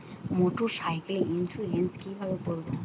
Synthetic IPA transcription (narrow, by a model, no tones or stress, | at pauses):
moʈuʃajkliinsulenskibʱabepoɾbo